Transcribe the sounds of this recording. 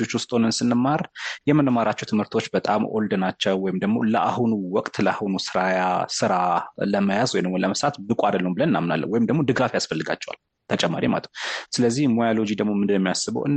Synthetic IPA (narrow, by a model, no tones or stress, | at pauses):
ot͡ʃːwʊst̪ʼonənsɨnːɨmːaɾjɛmənmaɾat͡ʃːɛwt̪ʰɨmhɨɾt̪ʰo̞t͡ʃːbət̪ʼamʔo̞̰ld̪ɨnat͡ʃːɛwːɔjɪmd̪əɡmoləʔahunuwɔkʼt̪ləahunusɨɾajasɨɾaləməjazwɔjnəmuləməsɾat̪bɨkʼoad̪əlːəumbɨlənɨnːamna̰lːə̰wɔjɪmd̪əɡmo̞d̪ɨɡafjasfəlːɨɡa̰t͡ʃːɛwa̰l | t̪ʰət͡ʃʼɛmːa̰ɾima̰lə̰t̪ʰsɨləzːihmojalo̞d͡ʒid̪əɡmo̞mɨnɛmːijasɨβə̰wʔɨn